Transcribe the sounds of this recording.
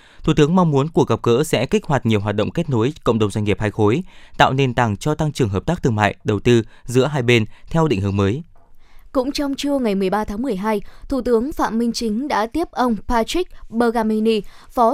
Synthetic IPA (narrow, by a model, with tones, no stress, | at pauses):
t̪ʰu˨˩t̪ɨ˨˦əŋma˧ŋ͡mmu˨˦ənku˨˩əkɣə˨˩p̚kə̰ː˧˥sɛ̰˧˥kï˦˥k̚hwaː˨˩t̚ɲi˨˩əwɦwaː˨˩t̚ɗə̰˧˨ŋ͡mke˦˥t̚no˨˦jkə̰˧˨wŋ͡mɗə˨˩wŋ͡mza˧jŋ̟ŋi˨˩əp̚haː˧jxo˨˦jt̪a̰ː˧˨wne˧nt̪aː˨˩ŋt͡ɕɔ˧t̪a˧ŋt͡ɕɨ˨˩əŋɦəː˨˩p̚t̪aː˦˥k̚t̪ɨ˧ŋma̰ː˧˨jɗə˨˩wt̪ɨ˧zɨ̰˧˥əɦaː˧jɓe˧nt̪ʰɛ˧wɗḭ˧˨ŋhɨ˨˦əŋməː˨˦j | kʊ̰˧˥ŋ͡mt͡ɕɔ˧wŋ͡mt͡ɕɨ˧əŋa˨˩jmɨ˨˩əjɓaː˧t̪ʰaː˨˦ŋmɨ˨˩əjɦaː˧jt̪ʰu˧˩t̪ɨ˨˦əŋfa̰ː˧˨mï˧ŋ̟t͡ɕï˨˦ŋ̟ɗa̰ː˧˥t̪i˦˥əp̚ʔə˧wŋ͡mpaː˧t͡ɕi˦˥k̚ɓəː˧ɣaː˧mi˧ni˧ | fɔ˨˦